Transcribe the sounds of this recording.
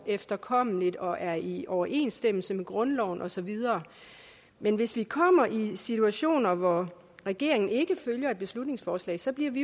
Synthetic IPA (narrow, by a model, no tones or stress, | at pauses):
efd̥ɐkʰɒ̽m̰̩lid̥ɒ̽ʔæɐiʔɒʊɐʔe̝̰ːnsd̥em̰l̩səmeɡ̥ʁɔ̽nlɒʊ̰nʔɒ̽sɒ̽ʋið̞ˠɐː | menʋe̝sʋikʰɒ̽m̰ɐʔisit͡sʰuæɕo̝̰ːnɐʋɒ | ʁɛɡ̥e̝ɐe̝ŋn̩e̝ɡ̥əføljɐe̝d̥̚b̥e̝slud̥̚ne̝ŋsfɒːslɛ̰ːɪsɒ̽b̥liɐ̰ʋi